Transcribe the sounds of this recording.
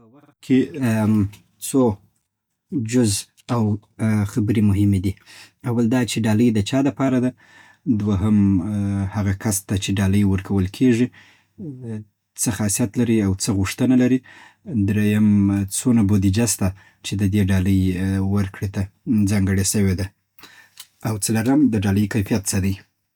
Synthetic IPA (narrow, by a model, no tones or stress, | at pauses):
pəwaxt̪̚kʰe | t͡so | d͡ʒʊz | awxabəɾemʊɦɪmed̪i | awald̪ɑt͡ʃeɖɑləjd̪ət͡ʃɑd̪əpɑɾad̪a | d̪waɦəm | haɣakʰast̪at͡ʃeɖɑləjwəɾkʰawəlkʰeʐi | t͡səxɑsijat̪laɾiawt͡səɣuʂt̪ənalaɾi | d̪ɾejamt͡sonabod̪id͡ʒast̪a | t͡ʃed̪əd̪eɖɑləjwəɾkɽet̪ad͡zɑŋɡəɽeʃəwed̪a | awt͡səlaɾəmd̪əɖɑləjkajfijat̪̚t͡səd̪aj